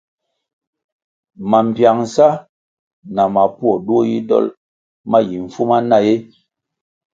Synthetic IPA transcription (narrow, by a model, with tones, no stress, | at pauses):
ma˨m̩˨pja˨ŋ˨sa˦ | na˨ma˨pwɔ˨ɗu˦o˦jḭ˦dɔ̰˦l | ma˦ji˨ɱ̩˨fu˦ma˦na˦˨je˦